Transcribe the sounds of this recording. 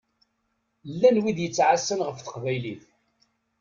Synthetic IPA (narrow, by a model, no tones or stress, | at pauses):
lːænwid̪jət͡sːʕasːənʁəfθə̥qvæjliθ